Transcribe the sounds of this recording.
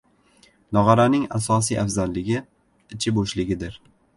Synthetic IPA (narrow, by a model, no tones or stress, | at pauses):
nɒʁɑɾanɪŋasɒsijʔafzanlɪɡʲɪ | ɪt͡ʃʰɪboʃlɪɡʲɪd̪ɪɾ